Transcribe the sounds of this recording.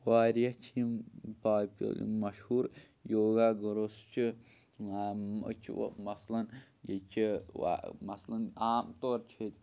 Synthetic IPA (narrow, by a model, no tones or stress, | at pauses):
ʋaːɾjɐt͡ʃʰimpaːpo̰mɐʃhuːɾ | joːɡaːɡɐɾost͡ʃʰi | t͡ʃʰḭmɐslɐn | jet͡ʃʰia̰mɐslɐnaːmt̪oːɾt͡ʃʰet̪ʲ